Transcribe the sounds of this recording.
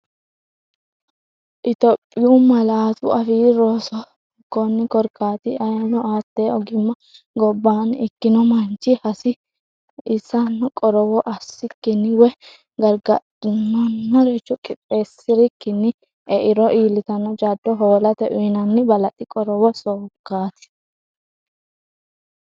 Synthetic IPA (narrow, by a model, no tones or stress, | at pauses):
ʔɪt̪ɔpʼːɪjumɐlaːt̪ʊʔɐfiːɾoːsɔ | kːɔnːɪkɔɾkʰaːt̪ɪɐjɐnɔaːt̪ːeːɔɡɪmːɐ | ɡɔbːaːnɪkːɪnɔmɐnt͡ʃːɪhɐsɪ | ɪsːɐnːɔkʼɔɾɔwɔʔɐsːɪkːɪnːɪwɛ | ɡɐɾɡɐᶑɪnːɔnːɔɾɛt͡ʃːɔkʼɪpʼːeːsːɪɾɪkːɪnːɪ | ɛʔɪɾɔʔiːlɪt̪ɐnːɔd͡ʒaːd̪ːɔɦoːlɐt̪ɛʔʊjnɐnːɪbɐlɐt̪ʼːɪkʼɔɾɔwɔsoːkːaːt̪ɪ̥